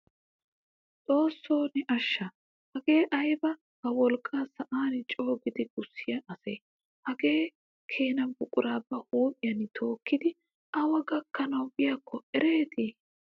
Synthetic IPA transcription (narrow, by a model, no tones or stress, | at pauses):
t͡sʼo̞ːsːoːnɪʔɐʃːɐ | hɐɡe̞ːʔɐjbɐ | hɐwɔlkʼːaːsɐʔaːnɪt͡ʃʼo̞ːɡɪd̪ɪɡʊsːɪjɐʔɐsɐj | hɐɡe̞ː | kʰe̞ːnɐbʊkʼːʊɾaːbːɐhuːpɪjɐnɪt̪ʰo̞ːkːɪd̪ɪ | ʔɐwɐɡɐkːɐnɐwbɪjɐkʰːɔʔɛɾe̞ːt̪i